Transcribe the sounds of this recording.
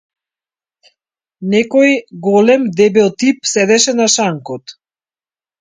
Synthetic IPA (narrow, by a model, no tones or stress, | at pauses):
nɛkɔjɡɔlɛmd̪ɛbɛlˠt̪ipsɛd̪ɛʃɛnaʃaŋkɔt̪